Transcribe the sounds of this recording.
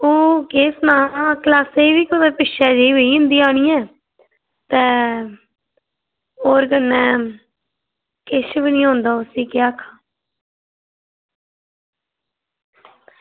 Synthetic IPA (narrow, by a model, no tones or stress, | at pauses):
oːkeːsnãːklaːseiːʋiːkəd̪əɾpɪʃɛːd͡ʒeiːʋəiːʊ̃nd̪iːaːɽ̃iːɛ̃ː | t̪ɛ̃ː | oːɾkənːɛ̃ː | kɪʃbiniːɦõːnd̪aːʊsiːkɪjaːkʰaː